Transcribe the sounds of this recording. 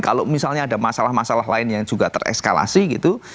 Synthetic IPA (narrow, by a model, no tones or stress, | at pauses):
kalomisalɲaːdamasalahmasalahlaɪnjaŋd͡ʒ̥uɡat̪ərɛ̰kska̰la̰siɡit̪u